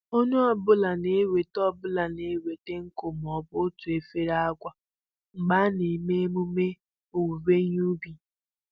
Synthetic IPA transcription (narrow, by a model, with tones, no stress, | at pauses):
o˦ɲʊ˦a˨bʊ˦la˨ne˦we˨tɔ˦˨bʊ˦la˨ne˦we˨te˦ŋ̩˦ko˨m˨ɔ˨bʊ˦tʊ˨e˨fe˦ɾa˦kʷa˨ | ŋ͡m̩˨ɡ͡ba˦ne˨me˦mu˦me˦ | o˨wu˨be˦ɲ˦u˦bi˨